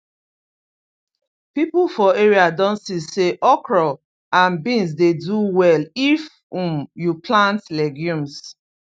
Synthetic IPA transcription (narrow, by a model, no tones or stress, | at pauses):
pipulfɔeɹiadɔ̃nsiseʔɔkɹɔ | ãnbĩns̬deduwɛlif | ũmjuplãntlɛɡjũms